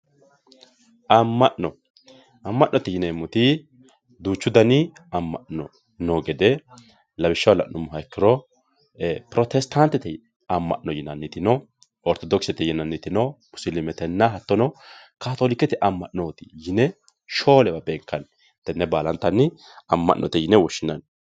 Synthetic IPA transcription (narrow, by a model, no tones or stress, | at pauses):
ʔɐmːɐʔnɔ | ɐmːɐʔnɔt̪ɪjɪnɛmːʊt̪ɪ | d̪uːt͡ʃːʊd̪ɐnɪɐmːɐ̰ʔnɔ̰ | nɔɡɛd̪ɛ | lɐbɪʃːɐwlɐ̰ʔnʊmːʊɦɐɛkːɪɾɔ | pɾɔt̪ɛst̪ɐnt̪ːɛt̪ɛ | ɐmːɐ̰ʔnɔjɪnɐnːɪt̪ɪnɔ | ɔɾt̪ɔd̪ɔksɛt̪ɛjɪnːɐnːɪt̪ɪnɔmʊsɪlɪmɛt̪ɛnːɐɦɐt̪ːɔnɔ | kaːt̪oːlɪkːɛt̪ɛʔɐmːɐʔnoːt̪ɪjɪnɛ | ʃo̞ːlɛbɐbeːŋkːɐn | t̪ːɛnːɛbaːlɐnt̪ːɐnːɪ | ɐmːɐ̰ʔnʔɔt̪ɛjɪnɛwɔʃːɪnɐn